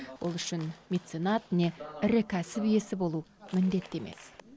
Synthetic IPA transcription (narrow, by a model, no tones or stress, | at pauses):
wo̞̰lˠʏʃɪnmʲet̪senat̪ɪne̞ɪɾɪkʲʰæsɪpije̞sɪbo̞lˠumɪnd̪e̞t̪ːe̞me̞̰s